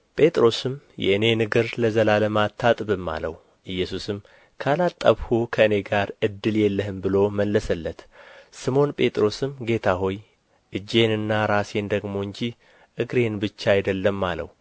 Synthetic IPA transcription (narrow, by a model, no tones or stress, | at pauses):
pʼe̞t̪ʼɾo̞sɨm | jɛ̰ʔɨne̞nɨɡɨɾləzəlaləmat̪ʰːat̪ʼbɨmːa̰lə̰wu | ʔɨjːɛsusɨm | kʰəalat̪ʼːəβhukʰəɨne̞ɡaɾɨd̪ːɨljɛlːəhɨmbɨlo̞məlːəsəlːət̪sɨmo̞npʼe̞t̪ʼɾo̞sɨmɡe̞t̪ʰaɦo̞j | ʔɨd͡ʒːe̞nɨnːaɾase̞nd̪əɡmo̞ɨɲd͡ʒi | ʔɨɡɾe̞nbɨt͡ʃːaajd̪əlːəmːalə̰w